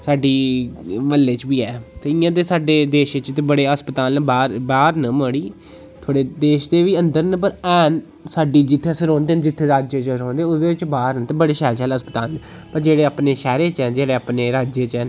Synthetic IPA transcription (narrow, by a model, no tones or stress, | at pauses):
saːɖiːʋəlːeːt͡ʃbiːɛːt̪eːɪjãːt̪eːsaːɖeːd̪eːʃet͡ʃt̪ːbəɽeːəspət̪aːlnbaːɾbaːɾnəməɽiː | t̪ʰoːɽeːd̪eːʃd̪eːʋiːə̃nd̪əɾnəp̬əɾɛːn | saːɖiːd͡ʒɪt̪ʰːeːəsəɾɔ̃ːnd̪eːnd͡ʒɪt̪ʰːeːɾaːd͡ʒeːt͡ʃɾoːnd̪eːʊd̪eːɪt͡ʃbaːɾnət̪ebəɽeːʃɛːɾt͡ʃɛːləspət̪aːln | pəɾd͡ʒeːɽeːaːpneːʃɛːɾeːt͡ʃɛːd͡ʒeːɽeːaːpneːɾaːd͡ʒeːt͡ʃɛːn